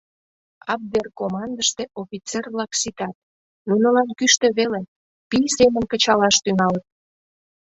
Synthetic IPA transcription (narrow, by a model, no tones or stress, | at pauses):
ɑb̚d̪erkomɑnd̪əʃt̪eʔofit͡serβlɑksit̪ɑt̪̚ | nunəlɑnkyʃt̪ĕβele | pijsemənkət͡ɕɑlɑʃt̪yŋɑlət̪̚